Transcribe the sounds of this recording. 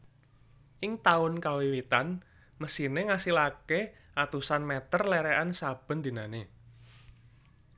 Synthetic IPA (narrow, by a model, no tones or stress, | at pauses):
ʔɪŋt̪aʊnkawiwit̪an | məsineŋasilake | ʔat̪usanmɛt̪ərlɛɾɛʔansab̥ə̤nd̪i̤nane